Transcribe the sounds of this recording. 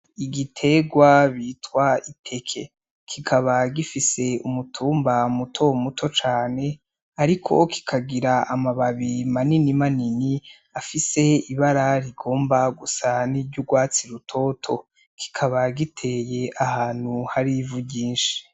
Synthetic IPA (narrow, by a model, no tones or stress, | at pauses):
iɡitʰe̞ɡwaβiːtwaipʰe̞kʰe̞ | kʰikʰaβaɡifise̞umutʰuːmbamutʰomutʰo̞t͡ʃaːne̞ | aɾikʰo̞̰kʰi̥kʰaɡiɾaʔamaβaβimaninimanini | afise̞iβaɾaɾiɡo̞ːmbaɡusaniɟuɡwaːt͡siɾutʰo̞tʰo̞ | kʰi̥kʰaβaɡitʰe̞je̞ʔahaːn̥huhaɾivuɟiːnʃi̥